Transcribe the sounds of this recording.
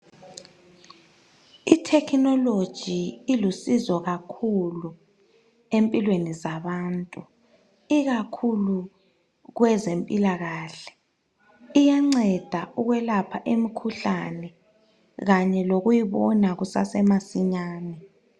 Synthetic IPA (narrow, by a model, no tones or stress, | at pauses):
itʰɛkʰnɔlod̥ʒ̥ʱiːlusizɔɣakʰulu | empʼilwenizaβaːntʼu | iɣakʰulu | ɣwɛzempʼilaɣaːɬɛ̥ | ijaŋ͡ǀɛd̥ʱauɣwɛlapʰaʔemikʰuɬa̰nɛ | ɣaɲɛloɣujiβɔnaɣusa̰sɛmasiɲaːnɛ